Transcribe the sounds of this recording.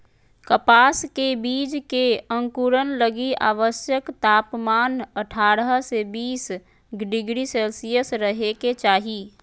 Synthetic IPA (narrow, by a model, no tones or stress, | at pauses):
kəpaːskebiːd͡ʒkeə̃ŋkuɾənləɡia̰ːʋəsjəkt̪aːpmaːnəʈʰaːɾəɦsebiːs | ɡɖɪɡɾiseːlsijəsɾəɦeket͡ʃaːɦi